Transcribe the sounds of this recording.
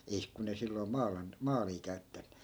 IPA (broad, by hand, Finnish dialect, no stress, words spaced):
eih kun ei silːoi̯ mɑːlɑn mɑːliː kæytːæ